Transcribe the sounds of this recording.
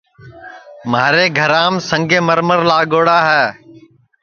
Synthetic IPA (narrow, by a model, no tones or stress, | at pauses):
maːɾeːɡʱəɾaːmsə̃ŋɡẽːməɾməɾlaːɠoːɽaːɦɛː